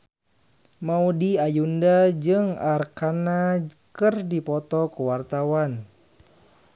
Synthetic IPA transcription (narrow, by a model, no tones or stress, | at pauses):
maudiajundad͡ʒɨŋarkanakɨrdipɔt̪ɔkəwart̪awan